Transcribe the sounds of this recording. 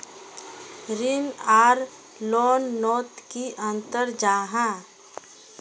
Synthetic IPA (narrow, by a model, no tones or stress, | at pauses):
ɾɪnaːɾ | lɔːnːɔːt̪kiʔə̃nt̪əɾd͡ʒaːɦã